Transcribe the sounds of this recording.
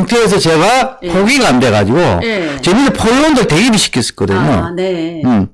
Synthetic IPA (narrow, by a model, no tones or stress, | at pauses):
ŋtʰeːs̬ʰʌt͡ɕe̞ɡapʰoɡiɡaande̞ɣad͡ʑiɡo̰t͡ɕenɯɾepʰolːondɯɭteɡiɾiɕʰi̥k͈ʰes͈ɯ̥k͈ʌdɯɲo̰ | ɯm